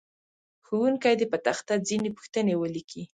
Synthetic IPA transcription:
xuwuŋkajd̪epət̪axt̪ad͡zinepu̥xt̪ənewəlikʰi

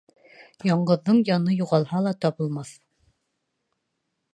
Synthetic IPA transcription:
jɒɴɢɤ̆ðːɤɴjɑnɤjuʁɑlˠhɑlˠɑt̪ɒβɤ̆lˠmɑθ

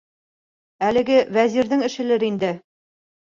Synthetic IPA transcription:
ælɘ̆ɡɘwæziɾðɘŋɘ̆ʃɘ̆lɘɾind̪ɘ

